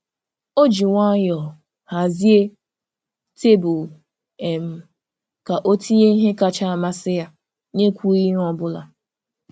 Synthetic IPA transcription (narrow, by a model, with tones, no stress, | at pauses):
o˦d͡ʒi˨ŋʷa˦jɔ˨ | ha˨zi˦e˦ | te˦bʊ˨l | e˨m̩˨ | ka˨ʔo˦tʰi˦je˦n̩˦ɦɪ˦ka˨t͡ʃa˦a˨ma˦sɪ˦ja˦ | ne˦kʷu˦i˦ɦɔ˨bʊ˦la̰˨